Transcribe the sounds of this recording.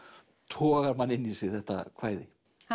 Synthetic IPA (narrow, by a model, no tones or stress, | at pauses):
t̪ʰɔːɣaɾmanːɪnːisvɪɾθɛht̪a̰kʰv̥aːjðɪ